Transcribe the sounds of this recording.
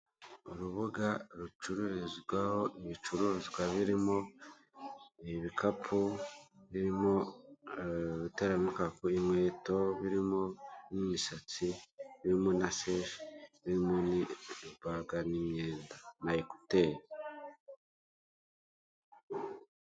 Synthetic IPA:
oɾuβuɡaɾut͡ʃuɾuɾizɡwahoiβit͡ʃuɾuezɡwaβiɾimo̞ | eβikapʰuβiɾimo̞ | βiteɾamikakuimwe̞ːto̞βiɾimo̞nimiʃat͡siβiɾimonaseʃe̥βiɾimonibaɡanimjeːndanaekuteɾi

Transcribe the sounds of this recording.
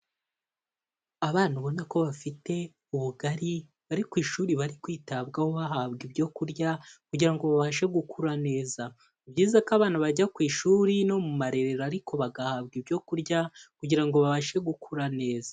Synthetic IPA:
aβaːn̥huβo̞nako̞βafite̞ | uβuɡaɾi | βaɾikwiːʃuːɾiβaɾikwiːtabɡahoβaɦaβɡibɟo̞kuɾɟakuɟiɾaŋɡo̞βaβaʃe̞ɡukuɾane̞ːza | ubɟiːzakaβaːnaβaɟakwiːʃuːɾino̞mumaɾe̞ɾeɾaɾikʰo̞βaɡahaβɡibɟo̞kuɾɟakuɟiɾaŋɡo̞βaβaʃe̞ɡukʰuɾane̞ːzḁ

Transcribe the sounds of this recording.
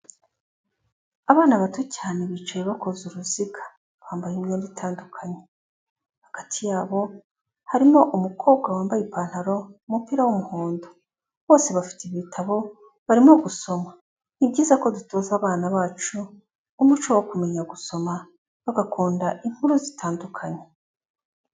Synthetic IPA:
aβaːnaβatocaːneβit͡ʃajeβako̞zuɾuziɡḁ | βhaːmbajimɡeːnditʰaːndukʰaɲe | hḁkatʰijaːβo̞ | haɾimo̞ʔumukʰoːbɡwawaːmbajipaːn̥haɾo̞mupiɾawumuhoːndo | βo̞ːse̞βafi̥tiβiːtʰaβo̞ | βaɾimo̞ɡuso̞ma | nibɟiːzako̞dutʰo̞ːzaːβaːnaβaːt͡ʃuː | mut͡ʃowokume̞ɲaɡuso̞ma | βaɡakʰuːndaʔiŋ̥huɾuzitʰaːndukʰaɲe

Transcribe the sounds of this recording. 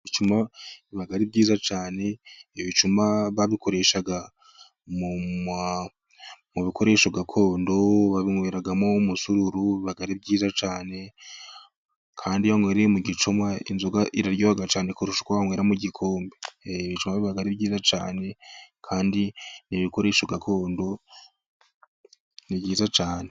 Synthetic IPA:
iβit͡ʃumaiβaɡaɾibɟiːzat͡ʃaːne̞iβit͡ʃumaβaβikʰo̞ɾe̞ʃaɡa | muma | muβikʰo̞ɾe̞ːʃoɡakʰo̞ːndo̞βaβiŋweːɾaɡamomusuɾuɾuβiβaɡaɾibɟiːzat͡ʃaːne̞ | kʰaːndiβaŋweːɾemuɡit͡ʃumwaḭnzoɡaʔiɾaɾjoβaɡat͡ʃaːnekuɾuʃu̥kwaβaŋweːɾamuɟikʰo̞ːmbeβit͡ʃumaβiβaɡaɾibɟiːzat͡ʃa̰ːne̞kʰaːndiniβiko̞ɾe̞ːʃoɡakʰo̞ːndo̞ | nibɟiːzat͡ʃaːne̞

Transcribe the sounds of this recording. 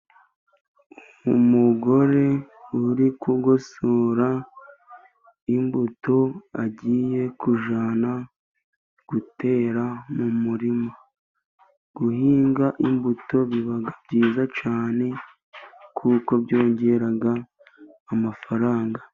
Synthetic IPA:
u | umuɡo̞ɾe̞ | uɾikuɡosoɾa | imbuto̞aɟiːje̞kuʒaːna | ɡ̥ute̞ːɾamumuɾima | ɡ̥uhiːŋɡaʔimbuto̞βiβaɡabɟiːzat͡ʃaːne̞ | kʰuko̞bɟo̞ːɲɟe̞ɾaɡaː | mafaɾaːŋɡa

